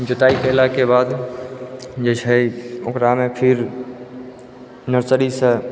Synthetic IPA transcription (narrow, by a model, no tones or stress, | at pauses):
d͡ʒʊt̪aːikelakebaːd̪ | d͡ʒət͡ʃʰəiʊkɾamepʰɪɾ | nəɾsəɾisə